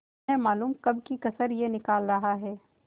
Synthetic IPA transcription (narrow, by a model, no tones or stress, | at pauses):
ẽmaːluːmkɐb̚kikɐsəɾjenɪkaːlɾɐɦaɦɛː